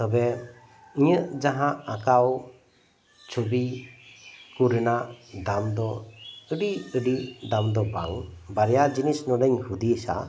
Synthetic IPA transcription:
t̪ɔbɛ | iɲəʔd͡ʒaɦãʔakaw | t͡ʃʰobi | kuɾnaʔd̪amd̪ɔəɖiəɖid̪amd̪ɔba̰ŋbaɾjad͡ʒinisnɔnəɲhud̪iəsa̰

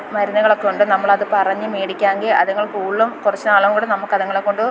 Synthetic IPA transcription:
mɐɾinːɐɣɐɭokːoɳɖɨnɐmːɐɭɐðɨpɐrɐɲːɨmeːɽikʲːaːŋɡilɐ̰ðɐŋːɐɭkuːɭːɐmkurɐt͡ɕːɨnaːɭɐŋɐɽenɐmukːɐðɐŋːɐɭekːoɳɖɨ

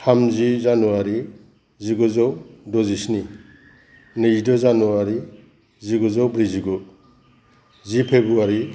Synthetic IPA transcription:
tʰamzizanuaɾi | ziɡɔzɔwdɔzisni | nɯzidɔzanuaɾi | ziɡɔzɔwbɾiziɡu | zipʰebuaɾi

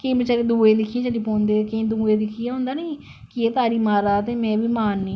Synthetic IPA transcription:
keːbət͡ʃːaɾed̪uːeːd̪ɪkʰːijẽːt͡ʃəliːpɔːnd̪eːkĩːd̪uːeːd̪ɪkʰijãːɦõːnd̪aːniː | kɪeːt̪aːɾiːmaːɾaːt̪eːmɛ̃ːbiːmaːnːiː

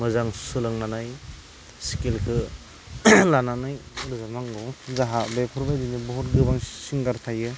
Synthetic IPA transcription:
mɯzaŋsɯlɯŋnanaj | si̥kilkʰɯ | lananɯjɾɯzamaŋɡɔzaɦabepʰɔɾbajdinibɔɦɔtɡɯbaŋsiŋɡaɾtʰajɯ

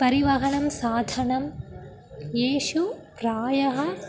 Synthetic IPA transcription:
pɐɾiʋɐɦɐɳɐmsaːd̪ʱɐɳɐm | jeːʃupɾaːjɐɦɐ

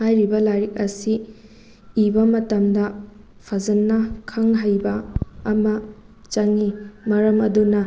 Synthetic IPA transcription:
hajɾibɐlaɾik̚ɐsiː | bɐmɐtɐmdɐ | pʰɐzɐnːɐkʰɐŋɦɐjbɐːmɐ | t͡ʃɐŋimɐɾɐmɐdunɐ

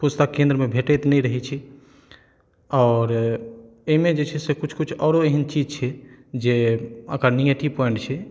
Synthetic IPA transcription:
pust̪akẽnd̪ɾəmebʱeʈɛt̪nɛɾəɦɛt͡ʃʰɛ | ɔːɾ | eimẽd͡ʒet͡ʃʰɛsekut͡ʃʰkut͡ʃʰɔːɾoeɦənt͡ʃid͡ʒt͡ʃʰɛd͡ʒeəkəɾnijəʈipɔɪ̃ɳʈt͡ʃʰɛ

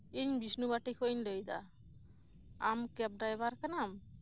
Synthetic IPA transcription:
iɲbisnubaʈikʰɔiɲdəjd̪a̰ | amkɛp̚ɖajbaɾkanam

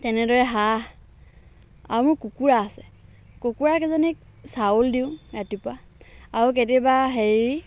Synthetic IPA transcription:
tɛnɛdɔɹɛɦa | aɹumʊɹkukuɹaːsɛ̥ | kukuɹakɛzɔnɛk | sauldiʊ̃ɹatipʊa | aɹuket̬ɛbaɦeɹi

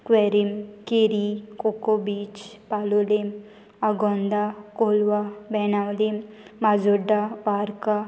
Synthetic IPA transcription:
kʋeɾimkeɾikokobit͡ʃpalulim | aɡɔ̃nd̪akolʋabɛnawlim | mad͡zuɖaʋaɾka

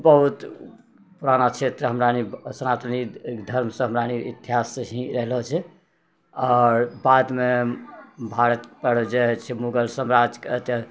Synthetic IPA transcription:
bəɦut̪ | puɾanat͡ʃʰet̪ɾəɦəmɾanisənat̪ənid̪ʱəɾmsə̃ɦəmɾaniit̪iɦasəɦĩɾəɦlɦot͡ʃʰɛ | aːɾbad̪me | bʱaɾət̪pəɽd͡ʒet͡ʃʰɛmuɡəlsəmɾad͡ʒkt̪ə

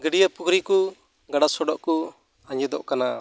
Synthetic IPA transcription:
ɡəɖijapukɾiku | ɡaɖasɔɖɔʔku | aɲɛd̪ɔʔkana

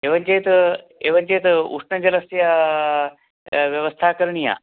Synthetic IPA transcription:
eʋənd͡ʑeːt̪ | eʋɐnd͡ʑeːt̪ṵsɳɐd͡ʑɐləsja | ʋjɐʋəst̪ʰakəɾɳija̰

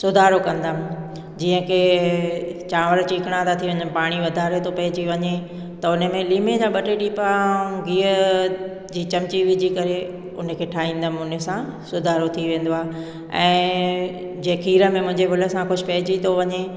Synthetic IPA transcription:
sʊd̪ʱaːɾokɐ̃nd̪əmɪ̆ | d͡ʑiːə̃kʰeː | t͡ɕãːʋəɾt͡ɕiːkɪɽ̃ãd̪at̪ʰiʋɐ̃ɲəmɪ̆paːɽ̃iʋɐd̪ʱaːɾet̪ʰopɐɦɪd͡ʑiʋɐɲe | t̪ɐʊnə̆mẽliːmed͡ʑaːɓɐʈeʈiːpãɡiːə | d͡ʑiːt͡ɕɐmt͡ɕiʋɪd͡ʑikɐɾe | ʊnə̆kʰeːʈʰaːɦĩːnd̪əmɪʊnə̆sãsʊd̪ʱaːɾot̪ʰiʋẽːn̆d̪oaːɦe | ɛ̰̃ː | d͡ʑeːkʰiːɾə̆mẽmʊ̃ɦɪ̃ɲd͡ʑebʱʊlə̆sãkʊd͡ʑɪpɐɦɪd͡ʑit̪ʰoʋɐɲe

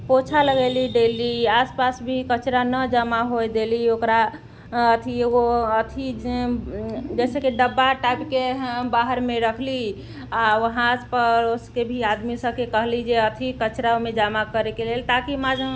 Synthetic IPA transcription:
pot͡ʃʰaləɡeliɖeliaspasbʱikət͡ʃɾanəd͡ʒamaɦojd̪eliokɾa | ət̪ʰieɡoət̪ʰi | d͡ʒɛsekiɖəbːaʈajpkebaɦəɾmeɾəkʰli | aʋəɦãspəɾoskebʱiad̪misəbkekəɦlid͡ʒeət̪ʰikət͡ʃɾaomed͡ʒamakəɾekelelt̪akimad͡ʒ

